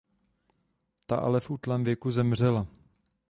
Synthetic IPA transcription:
t̪a̰ʔa̰lɛfʔut̪lɛːmvjɛkuzɛmr̝ɛla

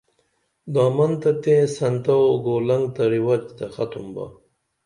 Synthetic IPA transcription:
d̪ɑːmɐnt̪ɐt̪ẽːsɐnt̪awɡoːlɐŋɡt̪ɐɾiwat͡ɕt̪ɐxɐt̪ʰumbɐ̰

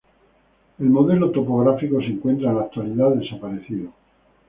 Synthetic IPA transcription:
e̞lmo̞ðe̞lot̪o̞poɣɾafiko̞seŋkwe̞nt̪ɾaelak̚t̪waliðaðe̞sapaɾeθiðo

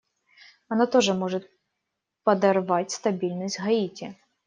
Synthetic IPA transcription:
ɐnat̪ɔʐɛmɔʐɛt̪̚ʲ | pɐd̪ɐrʋatʲst̪ɐbʲilʲnəsʲtʲɦɐitʲɪ

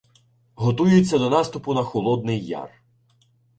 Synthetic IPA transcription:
ɦɔt̪ujʊt͡sʲːɐd̪ɔnɑst̪ʊpʊnɐxɔlˠɔd̪̚nɪjːa̰r

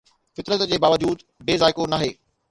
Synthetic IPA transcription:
fɪt̪ɾət̪d͡ʑeːbaːʋəd͡ʑuːd̪ | beːzaːɪkonaːɦeː

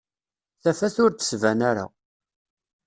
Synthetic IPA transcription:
θæfæθʊɾd̪ə̥svænæɾa̰

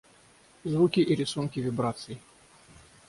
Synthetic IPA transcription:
zvukʲiʔiɾʲɪsunkʲɪvʲɪbɾat̪sɨɪ

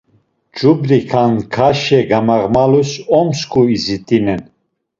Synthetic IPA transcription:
d͡ʒʼubɾikʰankʰaʃɛɡamaʁmalusɔmskʰʼuizit̪ʼinɛn

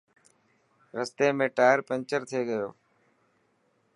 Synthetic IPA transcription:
ɾəst̪eːmẽːʈaːəɾpə̃ɲt͡ʃəɾt̪ʰieːɡəjo̰ː

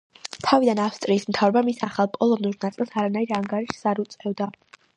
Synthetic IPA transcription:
t̪ʰavid̪anafst̪ʼɾiːsmt̪ʰavɾɛbamisaχalˠpʼɔlˠɔnuɾnat̪sʼilˠsaɾanaiɾaŋɡaɾiʃsaɾut̪sʼɛvd̪a

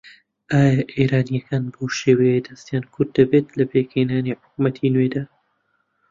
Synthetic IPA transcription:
ʔaːjaʔeːɾaːnijɐkaːnboːʃeːwejed̪ɐst̪jaːnkʰʊɾd̪ːɐbeːt̪lɐpeːkheːnaːniːħʊk̚mɐt̪ʰinwed̪aː

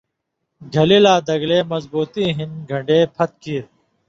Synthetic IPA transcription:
ɡʱəliːlaːd̪əɡleːməzbuːt̪iːɦɪnɡʱəɳɖeːpʰət̪̚kiːɾ

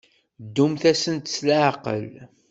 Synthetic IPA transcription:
d̪ːumθæsənt̪ə̥slaʕqə̰l

